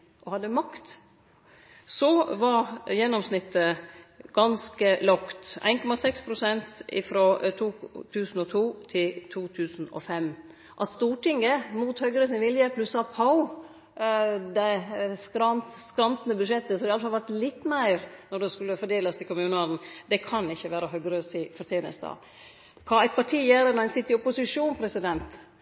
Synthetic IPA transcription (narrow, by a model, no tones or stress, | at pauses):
ʔɔhɑd̪ːəmɑkt̪ | sɔʋɑɾjɛnːɔmsnɪt̪ːəɡ̥ɑnskəlɔkt̪æ̰ɪnkʰɔmɑsɛkspʰɾʊsɛnt̪ɪ̰fɾot̪ʰuːt̪ʰʉːsn̩ɔt̪ʰuːt̪ʰɪlt̪ʰuːt̪ʰʉːsn̩ɔ̰fɛm | ʔɑt̪st̪uːʈɪŋəmuːt̪hœɡɾəsɪnʋɪljəpʰlʉsɑpʰɑʊ | d̪ɛɪskɾɑnt̪skɾɑnt̪ənəbʉd̪ʂɛt̪ːəsɔhɑd̪ɛɑləfɑlʋæɾʈlɪt̪ːmæɪɾnɔɖɛskʉlːəfɔɖeːləst̪ʰɪlkʊmʉːnəɑd̪n̩d̪ɛkʰɑnɪçːəʋæːɾəɦœɡɾəsɪfɔɾʈ̪ʰjeːnə̰st̪ɑ̰ː | kʰɑːæɪt̪̚pʰɑʈʰiːjæːɾənɔɾænsɪt̪ːɪɔpʊsɪʂuːnpʰɾɛsɪd̪ɛnt̪